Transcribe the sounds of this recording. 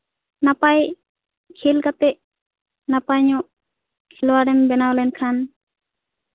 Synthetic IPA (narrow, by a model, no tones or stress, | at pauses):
napaj | kʰilkat̪ɛʔ | napajɲɔʔ | kʰilwaɾɛmbɛnawlɛnkʰan